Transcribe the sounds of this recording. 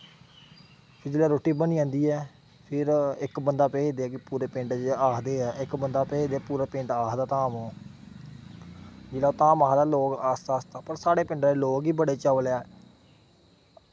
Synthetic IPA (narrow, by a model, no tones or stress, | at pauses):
pʰɪɾd͡ʒɪːlaːɾoːʈiːbəniːãːnd̪iːɛː | pʰɪɾɪkbənd̪aːpɛːd̪eːɛːkɪpuːɾeːpɪ̃ɳʈd͡ʒaːkʰd̪eːɛːɪkbənd̪aːpɛːd̪eɛːpuːɾeːpɪ̃ɳʈaːkd̪aːt̪aːmõː | d͡ʒɪlaːt̪aːmaːd̪aːloːɡaːst̪aːst̪aːpəɾsaːɽeːpɪ̃ɳɖdeːloːɡiːbəɽeːt͡ʃəʋljaɛː